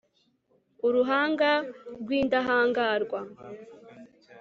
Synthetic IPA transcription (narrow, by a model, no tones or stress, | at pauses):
uɾuɦaːŋɡaɾɡwiːndaɦaːŋɡaːɾɡwa